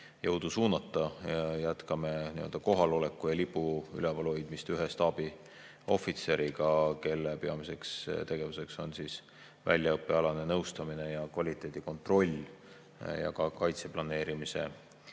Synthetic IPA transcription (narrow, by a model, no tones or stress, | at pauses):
jɤwd̪̥usuːnɑt̪ːˑɑjæt̪kɑme̞niøld̪̥ɑko̞ɦɑlo̞lekːˑujɑlipːˑuy̰lɛvɑlojd̪̥mist̪yɦe̞st̪ɑb̥i | o̞̰fit̪se̞ɾiɡ̥ɑke̞lːepe̞ɑmise̞kst̪e̞ɡ̥e̞vuse̞kso̞nsis | væ̰lʲjɑɤpːˑe̞ɑlɑne̞nɤwst̪ɑmine̞jɑkvɑlʲit̪ːˑe̞ːd̪̥iko̞nt̪ˑro̞lʲː | jɑ̰kɑkɑjt̪se̞plɑne̞ːɾimise̞̰